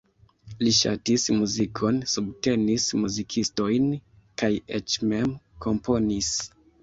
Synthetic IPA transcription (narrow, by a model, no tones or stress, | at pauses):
liʃa̰tismuzikʰo̞nsubte̞nismuzikʰisto̞jn | kajet͡ʃmemkʰo̞mpo̞nis